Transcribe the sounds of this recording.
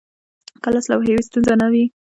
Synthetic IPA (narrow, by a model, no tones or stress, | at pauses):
kəlaslawɦewist̪unzanawi